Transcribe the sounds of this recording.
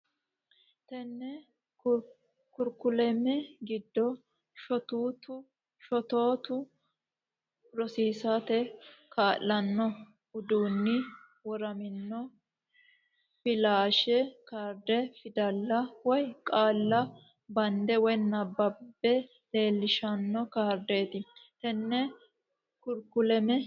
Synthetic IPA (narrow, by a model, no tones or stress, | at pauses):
t̪ɛnːɛ | kʊɾkʊlɛmɛɡɪd̪ːɔ | ʃɔt̪uːt̪ʊ | ʃɔt̪o̞ːt̪ʊ | ɾɔsiːsat̪ɛkʰaːlːɐnːɔ | ʊd̪uːnːɪ | wɔɾɐmɪnːɔ | fɪlaːʃɛkaːɾd̪ɛfɪd̪ɐlːɐwɔjkʼaːlːɐ | bɐnd̪ɛwɔjnɐbɐbːɛ | le̞ːlːɪʃɐnːɔkaːɾd̪eːt̪ɪt̪ɛnːɛ | kʊɾkʊlɛmɛ